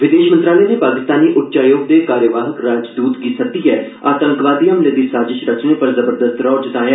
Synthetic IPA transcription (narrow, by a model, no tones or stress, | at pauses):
ʋɪd̪eːʃmə̃nt̪ɾaːlɛnepaːkɪst̪aːniːʔʊʈːt͡ʃaːjoːɡ̚d̪eːkaːɾjəʋaːɦəkɾaːd͡ʒd̪uːt̪ɡiːsək̚d̪iɦɛː | aːt̪ə̃ŋkʋaːd̪ijəmləd̪iːsaːd͡ʒɪʃɾət͡ʃneːpəɾzəbəɾd̪əst̪ɾɔːd͡ʒɪt̪aːja